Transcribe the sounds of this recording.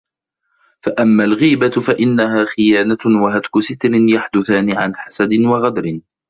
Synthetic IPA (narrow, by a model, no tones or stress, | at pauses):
faʔamːaːlɣiːbafaʔɪnːaɦaːxɪjaːnawaɦad̪kʊsɪt̪lɪnjaħd̪ʊθaːniʕa̰nħasad̪ɪnwaɣad̪ɾɪn